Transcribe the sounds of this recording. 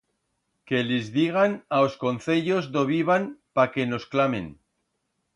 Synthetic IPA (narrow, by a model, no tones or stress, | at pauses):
ke̞lezðiɣ̞anaosko̞nθe̞ʎo̞zdo̞β̞iβ̞anpake̞no̞sklame̞̰n